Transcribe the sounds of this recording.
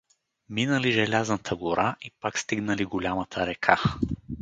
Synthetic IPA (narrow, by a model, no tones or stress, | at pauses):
minəliʒɛlʲaznət̪ʰəɡʊɾaʔipakst̪iɡnəliɡʊlʲamət̪ʰəɾɛkʰa